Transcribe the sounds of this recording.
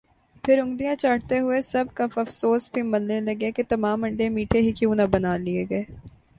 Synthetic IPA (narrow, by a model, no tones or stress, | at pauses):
pʰɪɾʊ̃ŋɡd̪ijãːt͡ʃaːɽt̪eɦʊesɐb̚kɐfɐfsoːsbʱimɐlnelɐɡeket̪ɐmaːmɐ̃ɳɖemiːʈʰeɦikjũːnɐbɐnaːlɪeːɡɐeː